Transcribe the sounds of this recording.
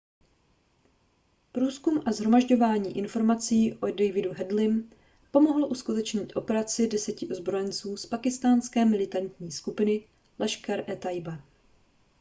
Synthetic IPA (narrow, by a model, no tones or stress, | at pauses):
pɾuːskumʔazɦɾo̞maʒɟo̞vaːɲiːʔɪnfo̞ɾmat͡siːʔodɛjvɪduɦɛdlɪm | po̞mo̞ɦl̩ʔuskut̪ɛt͡ʃɲɪːt̪ʔo̞pɛɾat͡sɪdɛsɛcɪʔozbɾo̞jɛnt͡suːspakɪst̪aːnskɛːmɪlɪt̪ant̪ɲiːskupɪnɪ | lɛʃkaɾʔɛt̪ajba